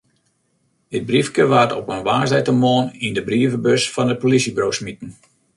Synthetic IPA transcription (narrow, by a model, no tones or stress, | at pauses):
dɪt̚brifkəʋaːtɔpənʋaːsɛjtəmoːənindəbriəvəbøsfɔnət̚polisibroːsmitən̩